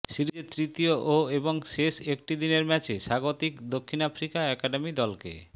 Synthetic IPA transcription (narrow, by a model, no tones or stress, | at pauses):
ʃiɾiet̪ɾit̪ioʔoeboŋʃeʃek̚ʈid̪ineɾmɛt͡ɕeʃaɡot̪ikd̪okʰːinafɾikaɛkaɖemid̪ɔlkḛ